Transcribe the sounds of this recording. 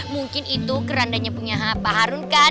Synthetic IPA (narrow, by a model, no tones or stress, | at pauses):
muŋkɪnit̪ukəɾandaɲapuɲaɦapaɦaɾunka